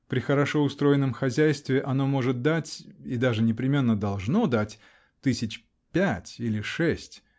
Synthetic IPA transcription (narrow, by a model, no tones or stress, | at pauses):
pɾʲɪxəɾɐʂo̞ʊst̪ɾo̞jɪnːəmxɐzʲæjst̪vʲɪʔɐn̪o̞mo̞ʐɨt̪̚d̪atʲid̪aʐɨnʲɪpɾʲɪmʲe̞nːəd̪ɐlˠʐno̞d̪atʲ | t̪ɨsʲɪt͡ɕ | pʲætʲilʲɪʂɛsʲtʲ